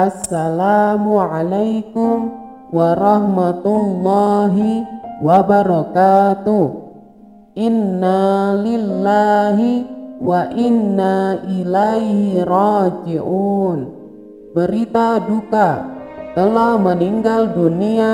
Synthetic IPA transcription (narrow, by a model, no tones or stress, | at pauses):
ʔasːalaːmuʕalajkʊm | waɾɑhmat̪ulːɑːɦiwabaɾɑkaːt̪uh | ʔinːalilːaɦiwaʔinːaʔilajhiɾɑːd͡ʒiʔuːn | bəɾit̪adukat̪əlahməniŋɡaldunia